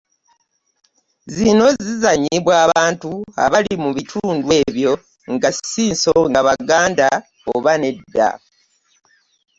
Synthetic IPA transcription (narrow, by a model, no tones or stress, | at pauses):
zino̞zizaɲiβwaːβaːntua̰βalimuβitʰuːndwe̞ːβjo̞ | ŋɡassiːnsoŋɡaβaɡaːnda | oβane̞dːa̰